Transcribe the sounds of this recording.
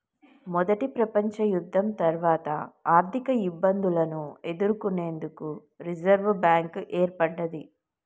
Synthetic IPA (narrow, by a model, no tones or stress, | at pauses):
mɔd̪ɐʈipɾɐpɐɲt͡ʃɐjud̪ʱːɐmt̪ɐɾʋaːt̪ɐ̰aːɾt̪ʰikɐibːɐnd̪ulɐnue̞d̪uɾukune̞ːnd̪uku | ɾid͡ʒɐɾʋbaːŋkʔeːɾpɐɽːɐd̪i